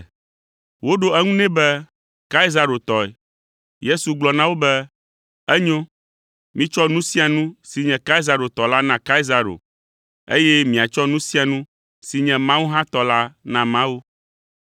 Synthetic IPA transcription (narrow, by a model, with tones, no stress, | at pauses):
wo˦ɖo˦ɛ˦ŋũ˦nɛ̃˦bɛ˦ | ka˦i˦za˨ɾo˨t̪ɔ˨ɛ̰˨ | je˦su˨ɡ͡blɔ˨nã˦wo˦bɛ˦ | ɛ˦ɲõ˦ | mĩ˦t͡ʃɔ˦nũ˦sĩ˦a˨nũ˦si˨ɲɛ̃˨ka˦i˦za˨ɾo˨t̪ɔ˨la˦nã˨ka˦i˦za˨ɾo̰˨ | ḛ˦jɛ˦mĩ˨a˨t͡ʃɔ˦nũ˦sĩ˦a˨nũ˦ | si˨ɲɛ̃˨mã˦wo˦ɦã˦t̪ɔ˨la˦nã˨mã˦wo˦